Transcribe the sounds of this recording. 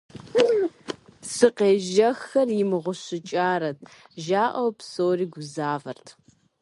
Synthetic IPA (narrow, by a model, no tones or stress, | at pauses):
sɨqeːʒɐxɐrjɪmɨʁʷʊɕɪt͡ʃʼaːɾɐt̚ʰ | ʒaːʔɐwpsoːriːɡʷʊzaːvɐ̰rtʰ